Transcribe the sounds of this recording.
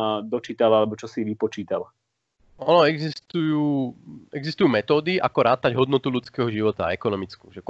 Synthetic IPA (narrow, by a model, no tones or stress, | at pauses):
d̪ɔt͡ʃiːt̪alalɛbɔt͡ʃɔsiʋipɔt͡ʃiːt̪al | ɔnɔɛɡzist̪ujuːɛɡzist̪ujuːmɛt̪ɔːd̪iʔa̰kɔɾaːt̪aɟɦɔd̪nɔt̪ulut͡skɛːɦɔʒiʋɔt̪a̰ɛkɔnɔmit͡skṵːʒɛk